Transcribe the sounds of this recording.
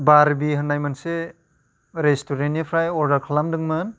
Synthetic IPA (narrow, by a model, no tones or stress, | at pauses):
baɾbiɦɯnːajmanse | ɾestʰoɾenepʰɾajɔɾdaɾkʰalamdɯŋmɯn